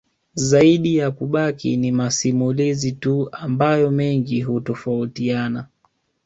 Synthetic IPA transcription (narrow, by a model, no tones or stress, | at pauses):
zaiɗijakuɓakḭnimasimulizituambajɔmɛŋɡiɦutɔfautiana